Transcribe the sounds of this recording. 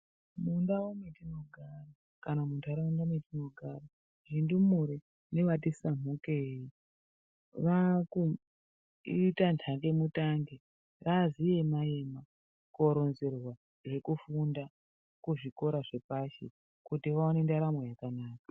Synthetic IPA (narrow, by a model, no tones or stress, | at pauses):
mundawometino̞ɡʱara | kanamuntʰaɾaundametino̞ɡʱara | ʐindumuɾe | ne̞ʋat̬isamukei | ʋaku | iitantʰaŋɡe̞mutaŋɡe | razijemaema | koɾonzerwa | je̞kufunda | kuʐiko̞ɾaʐe̞paʃḛ | kutiʋaonendaɾamwejakanaːkḁ